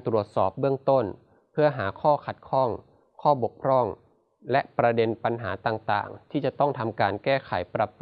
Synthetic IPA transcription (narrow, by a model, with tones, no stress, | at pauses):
t̪ɾu˨˩ət̪̚sɔː˨˩p̚bɯ˥˩əŋt̪o˥˩n | pʰɯ˥˩ɐɦaː˩˦kʰɔː˥˩kʰa˨˩t̪̚kʰɔ˥˩ŋ | kʰɔː˥˩bo˨˩k̚pʰɾɔ˥˩ŋ | lɛ˦˥ʔpɾa˧de˧npa˧nɦaː˩˦t̪aː˨˩ŋt̪a̰ː˨˩ŋt̪ʰiː˥˩t͡ɕa˨˩t̪ɔ˥˩ŋt̪ʰa˧mkaː˧nkɛː˥˩kʰa˩˦jpɾa˨˧˩p